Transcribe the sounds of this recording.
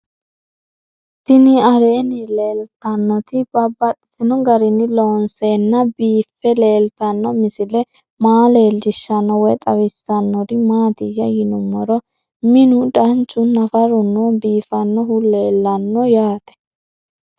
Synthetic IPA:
t̪ɪnɪɐɾeːnɪle̞ːlt̪ɐnːɔt̪ɪbɐbːɐɗɪ̥sɪnɔɡɐɾɪnɪloːnseːnːɐbiːfːɛle̞ːlt̪ɐnːɔmɪsɪlɛ | maːle̞ːld͡ʒɪʃːɐnːɔwɔjt̪ʼɐwɪsːɐnːɔɾɪmaːt̪ɪjɐjɪnʊmːɔɾɔ | mɪnʊd̪ɐnt͡ʃːʊnɐfɐɾʊnːɔbiːfɐnːɔɦʊle̞ːlːɐnːɔjaːt̪ɛ̥

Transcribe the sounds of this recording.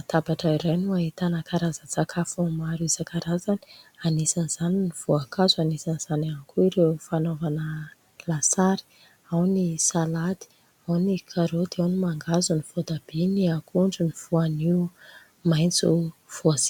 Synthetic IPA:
at̪abaʈ͡ʂaiɾajnuaɦit̪anakaɾazət͡sakʰafumaɾizakaɾazani̥anesaniz̥aniniv̥uakʰazanesaniz̥anankuiɾewfanovanə | lasaɾi̥ | awnisalad̪i̥ | awnikʰaɾod̪eawnimaŋɡazuniv̥od̪ab̥eniakuɳɖ͡ʐuniv̥uaniu | majnt͡suv̥uazi̥

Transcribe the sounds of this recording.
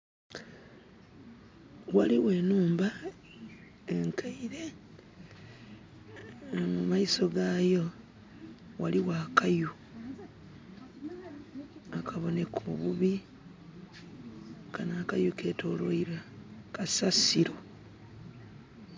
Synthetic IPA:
waliwe̞ːnuːmba | eŋkʰaiɾe̞ | mumaiso̞ɡaːjo̞ | waliwaːkaju | akʰaβo̞ne̞kʰuβuβi | kanaːkajuke̞ːtʰo̞lwoiɾakasasiɾo̞

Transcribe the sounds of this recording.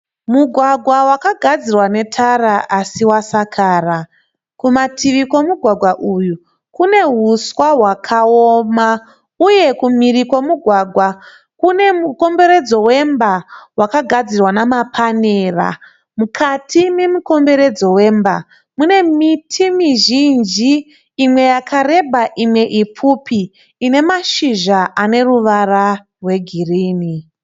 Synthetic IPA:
muɡʱwaɡʱwawakaɡʱad͡zirwane̞tʰaraʔasiwasakʰaːra | kumatʰiʋiko̞muɡʱwaɡʱwaʔuju | kune̞ɦuswaɦwakʰaoːma | uje̞kumiriko̞muɡʱwaɡʱwa | kune̞muko̞mbe̞ɾe̞d͡zo̞we̞mbawakaɡʱad͡zirwanamapʰaneːra̰ | mukʰatʰime̞muko̞mbe̞ɾe̞d͡zo̞we̞ːmba | mune̞mitʰimiʒind͡ʒiː | mwe̞jakʰare̞bʱaʔimwe̞ʔipʰupiː | ne̞maʃiʒaʔane̞ruʋara | rwe̞ɡʱiriːni

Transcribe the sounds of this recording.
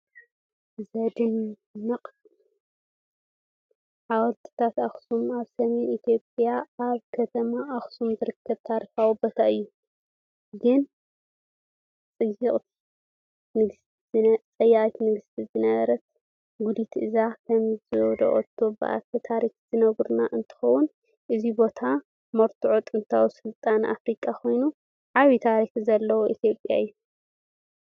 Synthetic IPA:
zɐd̪ɨnː | ɐqʼ | ʕawɔɾt̪ʰi̥t̪ʰat̪axsumaβsɐmenit̪ʰijo̞pʼjaaβkʰɐt̪ʰɐmaʔaxsumzɨɾɨkʰːɐβt̪ʰaɾfawubɐt̪ʰaɨjːu | ɡɨn | t͡sʼɨjːɨqʼt̪ʰi̥ | nɨɡst̪ | t͡sʼɐjːaʔʼit̪mɨɡɨst̪ʰizɨnɐβɐɾɐt̪̚ | ɡud̪it̪ʰʔɨzakʰɐmzɨwd̪ɐ̰ʔʼo̰t̪ʰːobɨ̰ʔa̰t̪ʰɐt̪ʰaɾixzɨnɐɡɾunaʔɨnt̪ʰɨ̥xɐwːʊn | ʔɨzibo̞t̪ʰa | mɐɾt̪ʰuʕot̪ʼɨnt̪ʰawisɨlt̪ʼanʔa̰fɾikʼakʰo̞jnu | ʕaβit̪ʰaɾixzɐlːɐwoʔit̪ʰjo̞pʼja̰ɨjːu

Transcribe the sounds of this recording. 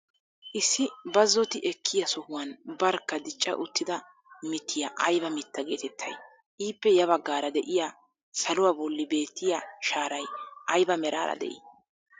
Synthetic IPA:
ʔɪsːɪbɐzːɔt̪ɪʔɛkʰːɪjɐsʊhʊwɐnbɐɾkːɐd̪ɪt͡ʃʼːɐ̰ʔʊt̪ːɪd̪ɐ | mɪt̪ʰːɪjɐʔɐjbɐmɪt̪ːɐɡe̞ːt̪ɛt̪ʰːɐj | ʔiːpːɛjɐβɐɡːaːɾɐd̪ɛʔɪja | sɐlʊwaːbɔlːɪbe̞ːt̪ːɪjaʃaːɾɐjʔɐjbɐmɛɾa̰ːɾɐ̰d̪ɛ̰ʔɪ̰

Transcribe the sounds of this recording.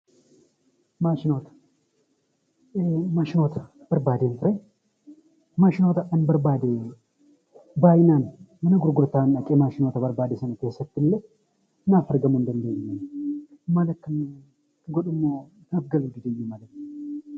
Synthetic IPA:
maːʃɪnoːt̪ɐ̥ | maʃɪnoːt̪ɐ̥ | b̥ɐɾbaːd̪enfɪɾɐ | maʃɪnot̪ɐʔɐnbɐɾbaːd̪eː | baːjɪnaːnmɐnɐɡʊɾɡʊɾt̪aːnɐkʼːemaːʃɪnoːt̪ɐbɐɾbaːd̪eːsɐnɐt̪eːsɐt̪ːɪlːɐ | naːfɐɾɡɐmʊnd̪ɐnd̪eɲnːɐ | malɐkːɨn | ɡɔᶑʊmːoː | ɐbɡɐlɡɪd̪eɲːumɐlɐt̪

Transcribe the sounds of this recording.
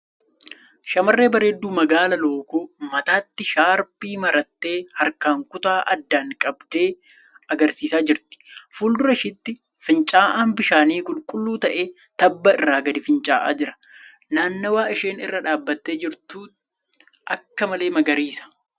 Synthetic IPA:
ʃɐmɐrːe̞ːbɐɾeːd̪ːuːmɐɡaːlɐlo̞ːkoːmɐt̪aːt̪ːɪʃaːɾpiːmɐɾɐt̪ːe̞ːhɐɾkaːŋkʊt̪aːʔɐd̪ːaːŋkʼɐbd̪eː | ɐɡɐɾsiːsaːd͡ʒɪɾt̪ɪ̥fuːld̪ʊɾɐɪʃɪt̪ːɪ | fɪnt͡ʃʼaːʔaːnbɪʃaːniːkʼʊlkʼʊlːuːt̪ɐʔeː | t̪ɐbːɐɪrːaːɡɐd̪ɪfɪnt͡ʃʼaːʔa̰ːd͡ʒɪɾɐ̥ | naːnːɐwaːɪʃeːnɪ̰rːɐᶑaːbːɐt̪ːe̞ːd͡ʒɪɾt̪uː | ʔɐkːɐmɐle̞ːmɐɡɐɾiːsɐ̥

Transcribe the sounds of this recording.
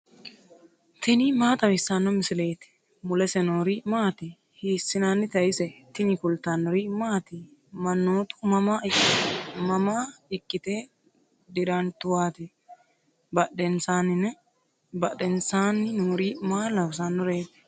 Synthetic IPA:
t̪ʰɪnimaːt̪ɐwɪsːanːɔmɪsɪleːt̪ɪ̥ | mʊlɛsɛnoːɾiːmaːt̪ɪ | hiːsːɪnaːnːɪt̪ɐjɪsɛt̪ɪnikʊlt̪anːɔɾiːmaːt̪imɐnːoːt̪ʊ̥mɐmaːɪ | mɐmaːɪkʼːɪt̪eː | d̪ɪɾɐnt̪ʊwaːt̪ɛ | bɐɗɛnsaːnɪnɛ | bɐɗɛnsaːnːɪnoːɾiːmaːlɐws̬anːɔɾeːt̪ɛ̥

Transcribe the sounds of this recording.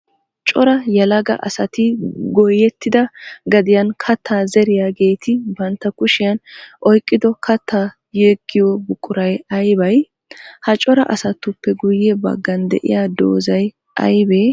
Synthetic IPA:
t͡ʃʼɔɾɐjɐlɐɡɐ̰ʔɐ̰sɐt̪ɪɡɔjɛt̪ːɪd̪ɐɡɐd̪ɪjɐnkʰɐt̪ʰːaːzɛɾɪjaːɡe̞ːt̪ɪbɐnt̪ːɐkʊʃɪjɐnʔɔjkʼːɪd̪ɔkʰɐt̪ːaː | jeːɡːɪjɔbʊkʼːʊɾɐjɐjbɐj | hɐt͡ʃʼɔɾɐʔɐsɐt̪ːʊpːɛɡʊjːɛbɐ̰ɡːɐnd̪ɛ̰ʔɪ̰jaːd̪o̰ːzɐj | ʔɐ̰jbeː

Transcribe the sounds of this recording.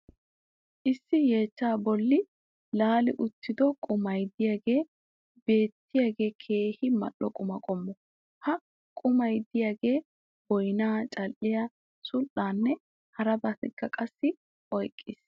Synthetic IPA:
ʔɪsːɪje̞ːt͡ʃːaːbɔlːɪ | laːlɪʔʊt̪ʰːɪd̪ɔkʼʊmɐjd̪ɪjaːɡe̞ː | be̞ːt̪ːɪjaːɡe̞ːkʰe̞ːhɪmɐ̰ɗːɔkʼʊmɐkʼɔmːɔ | hɐ | kʼʊmɐjd̪ɪjaːɡe̞ː | b̥ɔjnaːt͡ʃʼɐlʔɪjɐ | sʊlʔaːnːɛ | hɐɾɐbɐt̪ɛkːɐkʼɐsːɪ | ʔɔjkʼːɪːs

